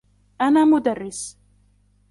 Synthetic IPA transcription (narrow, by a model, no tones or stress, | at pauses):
ʔanaːmʊd̪arːɪs